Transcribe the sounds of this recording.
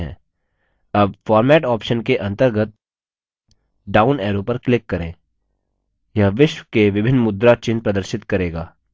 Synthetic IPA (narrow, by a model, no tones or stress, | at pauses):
ɦɛ̰̃ː | ɐbfɔːɾmɛːʈɔːpʃənkeʔɐ̃nt̪əɾɡət̪̚ | ɖaːʊnɛːɾopɐɾklɪkːɐɾẽː | jɐɦʋɪʃwəkeʋɪbʱɪnːmʊd̪ɾat͡ʃɪnpɾɐd̪əɾʃɪt̪kɐɾeːɡaː